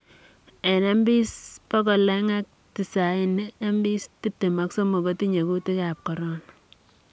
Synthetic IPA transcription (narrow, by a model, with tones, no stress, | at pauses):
e˨ne˦mbi˦spɔ˦kɔ˨lɛ˦ŋa˦k̚ti˨sa˨i˨n˦e˦mbi˦sti˦p̚te˨ma˦kso˦mo˨ko˦ti˦ɲe˨ku˦ti˦ka˨p̚kɔ˨ɾɔ˦n